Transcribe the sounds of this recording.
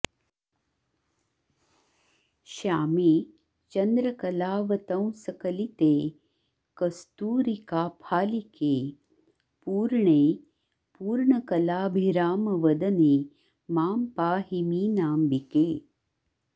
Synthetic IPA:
ʃaːmiː | t͡ʃɐnd̪ɾɐkɐlaːʋɐt̪ɐ̃w̃sɐkɐlit̪eː | kɐst̪uːɾikaːpʰaːlikeː | puːɾɳeː | puːɾɳɐkɐlaːbʱiɾaːmɐʋɐd̪ɐneː | maːmpaːɦimiːnaːmbikeː

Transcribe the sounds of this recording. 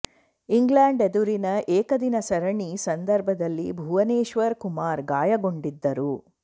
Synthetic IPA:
iŋɡlaːɳɖed̪uɾinɐʔɛːkɐd̪inɐsɐɾɐɳisɐnd̪ɐɾbʱɐd̪ɐlːḭbʱuːʋɐneːʃʋɐɾkumaːɾɡaːjɐɡo̞ɳɖid̪ːɐɾu

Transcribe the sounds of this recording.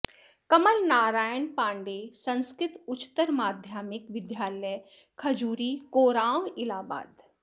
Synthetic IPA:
kɐməlnaːɾaːjənpãːɳɖeːsɐ̃nskɾɪt̪ʊt͡ʃt̪ːəɾmaːd̪ʱjaːmɪkʋɪd̪jaːləj | kʰɐd͡ʒuːɾiːkoːɾaːwɪlaːba̰ːd̪

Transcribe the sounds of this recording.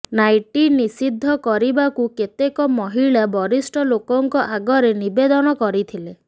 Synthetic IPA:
najʈinisid̪ʱːɔkɔɾibakuket̪ekɔmɔɦiɭabɔɾisʈɔlokɔŋkɔʔaɡɔɾenibed̪ɔnɔkɔɾit̪ʰile

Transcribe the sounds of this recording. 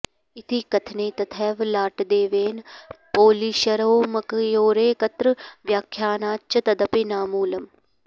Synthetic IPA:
it̪ʰikɐt̪ʰneːt̪ɐt̪ʰɛːʋlaːʈd̪eːʋeːnpoːliːʃɐɾoːmɐkjoːɾeːkɐt̪ɾəʋjaːkʰːjaːnaːt͡ʃːɐt̪ɐd̪ɐpinaːmuːlɐm

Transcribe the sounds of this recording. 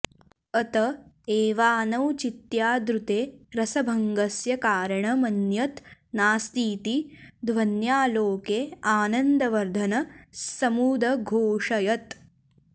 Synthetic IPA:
ɐt̪ɐ | eːʋaːnɐwt͡ʃit̪jaːd̪ɾut̪eːɾɐsɐbʱɐŋɡɐsjɐkaːɾɐɳɐmɐnjɐt̪naːst̪iːt̪id̪ʱʋɐnjaːloːkeːaːnɐnd̪ɐʋɐɾd̪ʱɐnɐsɐmuːd̪ɐɡʱoːʂɐjɐt̪

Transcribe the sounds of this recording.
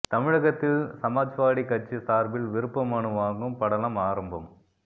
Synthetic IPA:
t̪ɐmɪɻɐɣɐt̪ːɯsɐmaːd͡ʒʋaːɽikːɐt͡ʃːɯsaːɾbɪlʋɪɾɯpːɐmɐɳɯʋaːŋɡɯmpɐɽɐlɐmaːɾɐmbɐm

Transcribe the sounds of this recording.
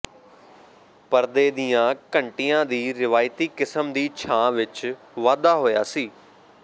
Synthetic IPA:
pəɾd̪eːd̪ijãːkəɳʈɪjãːd̪iːɾɪʋaːɪt̪iːkɪsəmd̪iːt͡ʃʰãːʋɪt͡ʃ | ʋaːd̪aːɦoːja̰ːsiː

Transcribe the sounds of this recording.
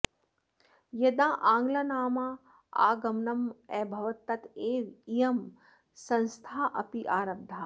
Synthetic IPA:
jɐd̪ãːʔaːŋɡlɐnaːmaː | a̰ːɡɐmnɐmɛːbʱɐʋɐt̪ːɐt̪eːʋijɐm | sɐ̃nst̪ʰaːʔɐpiʔaːɾɐb̚d̪ʱaː

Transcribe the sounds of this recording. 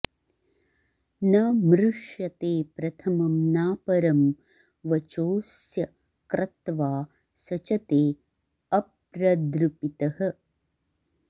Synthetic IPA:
nɐmɾuʂjɐt̪eːpɾɐt̪ʰɐmɐmnaːpɐɾɐm | ʋɐt͡ʃoːsjɐ | kɾʔɐt̪ʋaː | sɐt͡ʃɐt̪eː | ɐp | ɾɐd̪ɾupit̪ɐhɐ̆

